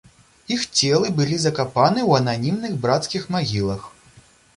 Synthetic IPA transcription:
ixt͡sʲɛlˠɨbɨlʲizɐkapanɨwɐnanʲimnɨɣbɾat̪skʲixmaɣʲilˠɐx

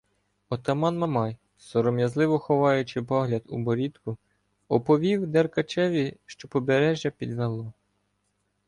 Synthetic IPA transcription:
ɔt̪ɐmɑnmɐmɑj | sɔɾɔmjɐzlˠɪʋɔxɔʋɑjʊt͡ʃɪpɔɦlʲɐd̪ubɔɾʲit̪kʊ | ɔpɔʋʲiwd̪ɛrkɐt͡ʃɛʋʲiʃt͡ʃɔpɔbeɾɛʒʲjɐpʲid̪ʋɛlˠɔ

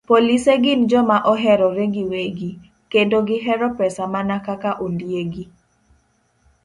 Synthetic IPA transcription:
poliseɡɪnd͡ʒɔmaʔɔɦɛɾɔɾeɡiweɡi | kendoɡɪɦɛɾɔpɛsamanakakaʔondjeɡi

